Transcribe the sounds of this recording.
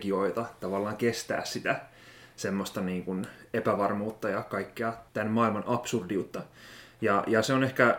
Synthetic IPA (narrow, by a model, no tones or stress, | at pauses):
ɡ̥ioit̪ɑt̪ɑʋɑlːɑːŋkest̪æ̰ːssit̪æ | semːost̪ɑniːŋkunepæʋɑrmuːt̪ːɑjɑkɑikːeɑt̪ænmɑilmɑnʔɑpsurdiut̪ːɑjɑjɑseonehkæ